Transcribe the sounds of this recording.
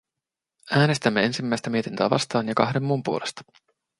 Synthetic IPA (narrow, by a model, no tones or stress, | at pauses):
æːne̞st̪æmːee̞nsimːæjst̪æmie̞t̪int̪øæːʋɑ̰st̪ɑːnjɑkɑɦde̞mːumpuolʔe̞st̪ɑ̥